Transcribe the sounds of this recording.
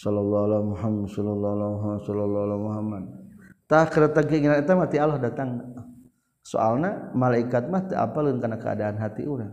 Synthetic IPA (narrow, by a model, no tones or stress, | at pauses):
sɔlɔlːɔalamuɦamasɔlɔlːɔlaɦamasɔlɔlːɔlamuɦamːad̪̚t̪ahkədat̪aŋkəiŋinanɛt̪amat̪ialahdat̪aŋ | so̰ʔalnamalaikat̪̚maht̪əa̰palənkanakəa̰daːnɦat̪iʔuɾaŋ